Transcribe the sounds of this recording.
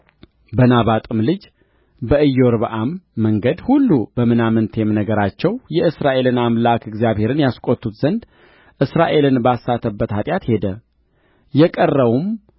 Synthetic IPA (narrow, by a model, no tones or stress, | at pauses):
bənaβat̪ʼɨmlɨd͡ʒ | bəɨjːo̞ɾbəʔamːəŋɡəd̪hulːubəmɨnamɨnt̪ʰemnəɡəɾat͡ʃːɛwjɛɨsɾaʔe̞lɨnamlakʰɨɡzijaβhe̞ɾɨnjaskʼot̪ʰːut̪zənd̪ | ʔɨsɾaʔe̞lɨnbasːat̪ʰːəbːət̪hat̪ʼjat̪he̞d̪ə | jɛkʼərːəβum